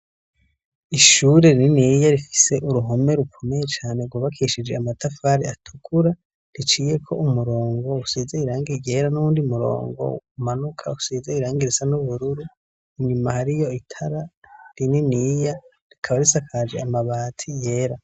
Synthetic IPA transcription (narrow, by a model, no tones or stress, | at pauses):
iʃuɾe̞ɾiiniːjaɾifi̥se̞ʔuɾuɦome̞ɾukʰo̞me̞je̞t͡ʃaːne̞ɾɡwaβakʰeʃid͡ʒe̞amatafaɾiatʰukʰuɾa | ɾit͡ʃiːje̞kʰo̞ʔumuɾo̞ːŋɡo̞usiːzeiɾaːŋɡiɟe̞ːɾanuuːndiumuɾo̰ːŋɡo̰umanukʰausizeiɾaːŋɡiɾisanuβuɾuɾu | iɲumahaɾijo̞itʰaɾaɾininija | ɾikʰaβaɾisakʰad͡ʒe̞amaβaːtʰije̞ːɾa